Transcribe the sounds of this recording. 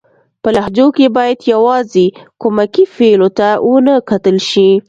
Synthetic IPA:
pəlaɦd͡ʒokebɑjad̪jawɑzekomakifelot̪awənəkat̪əlʃi

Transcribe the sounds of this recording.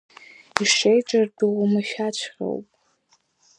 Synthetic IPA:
iʂejʈ͡ʂʼardɨʁamaʃᶣat͡ʃʷʰχʲo̰wpʼ

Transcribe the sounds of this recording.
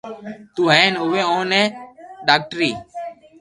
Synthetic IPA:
t̪uːɦɛ̃ːnʊʋẽːõːnɛ̃ːɖaːk̚ʈɾiː

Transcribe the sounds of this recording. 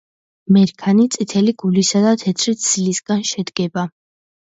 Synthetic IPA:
mɛɾkʰanit̪sʼit̪ʰɛliɡulisad̪at̪ʰɛt̪ʰɾit̪slisɡ̥anʃɛd̪ɡɛba

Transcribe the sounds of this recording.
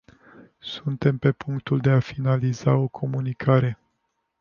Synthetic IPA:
sunt̪e̞mpe̞puŋkt̪uld̪e̞afinalizao̞kʰo̞munikʰaɾe̞

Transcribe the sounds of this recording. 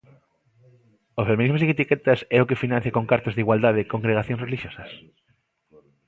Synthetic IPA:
ofemĩnizmozit̪ikɛt̪ɐsɛokefinãn̟θjakoŋkaɾt̪ɐzðiɣwald̪að̞ekoŋɡɾeɣaθjõŋsreliʃjosɐs

